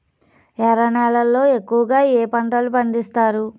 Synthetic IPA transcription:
ɛɾɐɳaːlɐlːo̞ːe̞kːuʋɐɡaːeːpɐɳʈɐlupɐnd̪ist̪aːɾu

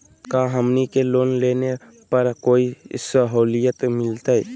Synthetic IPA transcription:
kaɦəmnikeloːnleːne | pəɾkoːisəɦoːlijət̪mɪlt̪aɛ

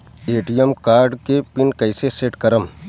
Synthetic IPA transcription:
eːʈijəmkaːɾɖkepɪnkɐɪseseʈkɐɾəm

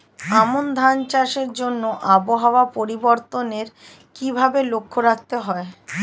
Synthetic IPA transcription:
amond̪ʱant͡ɕaʃeɾd͡ʑonːoʔaboɦaoapoɾiboɾt̪oneɾ | kibʱabelokʰːoɾak̚t̪eɦɔe

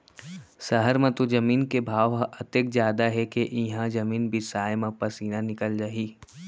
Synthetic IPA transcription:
sɐɦəɾmɐ̃t̪od͡ʒɐmiːnkebʱaːʋɦʔɐt̪ek̚d͡ʒjaːd̪aɦɛkeʔɪɦãd͡ʒɐmiːnbʱisaːjmãpɐsiːnanɪkəld͡ʒaːɦiː

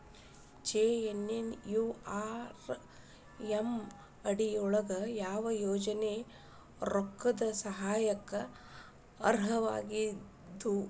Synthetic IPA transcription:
t͡ʃeːenenjuːaːɾ | em | ɐɽiɔɭɐɡɐjaːʋɐjoːd͡ʒɐne | ɾokːɐd̪ɐsɐɦaːjɐkːɐ | ɐ̰ɾɦɐʋa̰ːɡi | d̪u

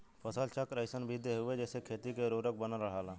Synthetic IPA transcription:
pʰəsəlt͡ʃəkɾəɪsənbʱid̪eɦʊed͡ʒɛːsekʰeːt̪ikeɾoːɾək̚bənaɾəɦaːlaː

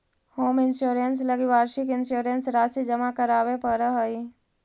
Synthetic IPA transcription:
hoːmɪnsoːɾəns̬ləɡiʋaːɾʃɪkɪnsoːɾənsɾaːsid͡ʒəmakəɾaːʋepəɾəɦəi

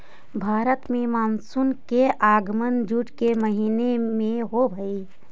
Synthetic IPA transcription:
bʱaːɾət̪mẽmaːnsunkeʔaːɡmənd͡ʒuʈkeməɦiːnemẽɦobʱəi

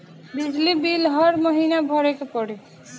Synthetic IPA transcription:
bid͡ʒlibilɦʌɾməɦinabʱəɾekepɔɽe

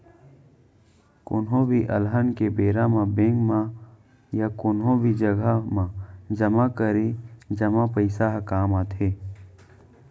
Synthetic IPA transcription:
kʊnɦõbʱiʔəlɦənkebeːɾamãbẽːŋɡmã | jakʊnɦõbʱid͡ʒəɡamãd͡ʒəmakəɾed͡ʒɐmapəɪsaɦkaːmãːt̪ʰeː

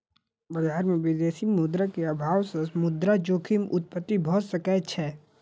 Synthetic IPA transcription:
bɐd͡ʒaːɾmẽʋɪd̪eːsimʊd̪ɾakeabʱaːwsesmʊd̪ɾad͡ʒoːkʰimʊ̰t̪̚pət̪ːibʱɔsəkɛt͡ʃʰɛː

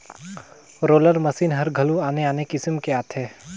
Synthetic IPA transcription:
ɾoːləɾmɐsiːnɦɐɾɡʱɐluaːneaːnekɪsmkeaːt̪ʰɦɛː

